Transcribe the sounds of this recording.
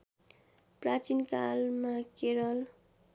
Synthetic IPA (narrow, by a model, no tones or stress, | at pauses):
prat͡sinkalmakeɾʌl